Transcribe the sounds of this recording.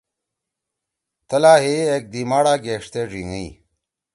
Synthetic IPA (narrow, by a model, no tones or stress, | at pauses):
t̪ɐlaːɦeek̚d̪imaːɽaːɡeːʂt̪eːʐiŋii